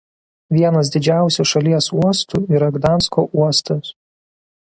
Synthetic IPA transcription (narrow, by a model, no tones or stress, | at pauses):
ʋʲiɛnɐs̬d̪ʲɪd͡ʒʲæˑʊsʲuʃɐlʲiɛsuɔst̪uːˑiːɾɐɡd̪ɑˑnskoʔuɔst̪ɐs